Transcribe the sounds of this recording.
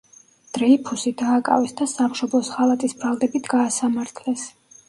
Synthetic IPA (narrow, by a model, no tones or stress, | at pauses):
d̪̥ɾɛipʰusid̪aːkʼa̰vɛsd̪asamʃɔblˠɔsχalˠat̪ʼisbɾalˠd̪ɛbit̪ʰɡaːsamaɾt̪ʰlɛs